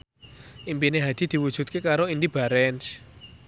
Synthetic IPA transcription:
ʔimpineɦad̪̥i̤d̪̥i̤wud̥ʒ̥ṳt̪̚kekaɾoindib̥a̤ɾɛns

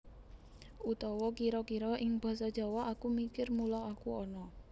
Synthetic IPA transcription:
ut̪ɔwɔkiɾɔkiɾɔʔɪŋb̥ä̤sɔd̥ʒ̥ɔ̤wɔakumikɪrmulɔakuɔnɔ

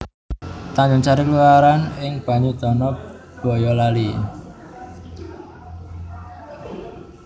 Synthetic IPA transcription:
t̪aɲd͡ʒʊŋt͡ʃaɾikluaɾanɪŋb̥a̤ɲud̪̥ɔnɔ | b̥ɔ̤jɔlali

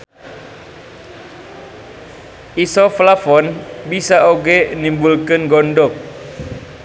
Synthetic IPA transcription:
ʔisɔflafɔnbisaʔoɡeʔnimbulkənɡɔndɔk̚

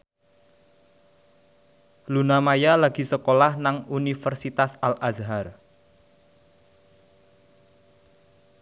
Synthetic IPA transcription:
lunamajalaɡ̥i̤səkolahnaŋunifərsit̪asalʔazɦar

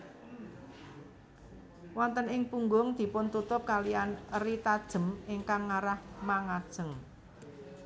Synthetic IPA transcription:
wɔnt̪ənɪŋpuŋɡʊŋd̪̥i̤pʊnt̪ut̪ʊp̚kalianrit̪ad̥ʒ̥ə̤meŋkaŋːaɾahmaŋad̥ʒ̥ə̤ŋ

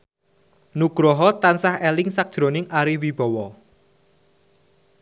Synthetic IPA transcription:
nuɡ̥ɾɔɦɔt̪ansahɛlɪŋsak̚d̥ʒ̥ɾonɪŋʔaɾiwib̥ɔ̤wɔ

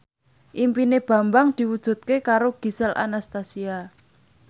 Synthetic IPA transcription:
ʔimpineb̥ä̤mbaŋd̪̥i̤wud̥ʒ̥ṳt̪̚kekaɾoɡ̥i̤səlʔa̰nast̪asia

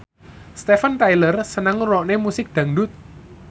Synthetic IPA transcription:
st̪efənt̪ajlərsənaŋrɔʔnemusɪk̚d̪̥ä̤ŋɖ̪ʊt̪̚

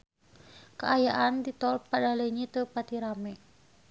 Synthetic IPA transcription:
kəʔajaʔand̪it̪ɔlpadaləɲit̪əpat̪iɾamɛ

